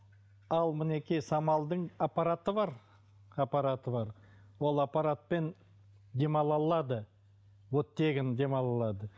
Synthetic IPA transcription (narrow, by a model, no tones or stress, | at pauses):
ɑlˠmɪne̞kʲijsɑmɑlˠd̪əɴapːaɾat̪əβɑɾ | apaɾat̪əbɑɾ | wo̞lˠapaɾat̪̚pe̞n | d̪e̞mɑlˠɑlˠɑd̪ə | wot̪ːe̞ɡʲɪnd̪e̞mɑlˠɑlˠɑd̪ə